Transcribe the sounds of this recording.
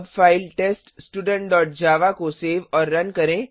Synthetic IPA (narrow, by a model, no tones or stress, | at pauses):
bfaːɪlʈeːsʈsʈuːɖə̃ɳʈ̚ɖɔːʈ̚d͡ʒaːʋakoseːʋɔːɾːɐnkɐɾẽ